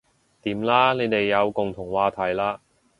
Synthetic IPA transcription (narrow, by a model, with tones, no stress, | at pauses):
t̪iː˨˥mlaː˥ne˨˧jt̪e˨jːɐ˨˧wkʊ˨ŋt̪ʰʊ˨˩ŋwaː˨˧t̪ʰɐ˨˩jlaː˧˥